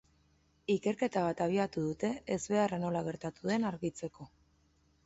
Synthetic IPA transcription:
ike̞ɾke̞t̪aβ̞at̪aβ̞iat̪uðut̪e̞ːzβe̞arano̞laɣ̞e̞ɾt̪at̪uðe̞naɾɣit͡se̞ko̞

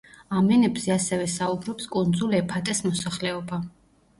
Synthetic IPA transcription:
amɛnɛbz̥ɛasɛvɛsaubɾɔpskʼund̪zuliɛpʰat̪ʼɛsmɔsaχlɛɔba

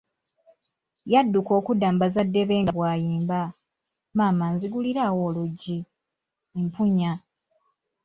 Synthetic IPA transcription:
jadːuko̞ːkudaːmbazadːe̞βe̞ːŋɡaβwaːjiːmba | maːmanziɡuliɾawo̞ːluɟi | empuɲa

